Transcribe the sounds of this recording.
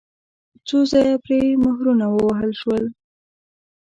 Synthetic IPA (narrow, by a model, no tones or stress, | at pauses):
t͡sozɑjapɾemʊhɾunawəwaɦəlʃwəl